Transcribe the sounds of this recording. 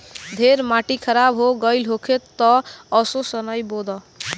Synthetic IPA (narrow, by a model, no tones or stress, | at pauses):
d̪ʱeɾmaʈikʰəɾabɦoɡəjlɦokʰet̪ːɔːsosənəjbod̪ɔ